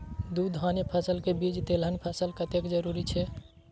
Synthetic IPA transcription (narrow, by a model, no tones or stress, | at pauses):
d̪ud̪ʱɦaːnjəpʰəsəlkebid͡ʒt̪elənpʰəsəlkət̪ekd͡ʒəɾuɾit͡ʃʰɛ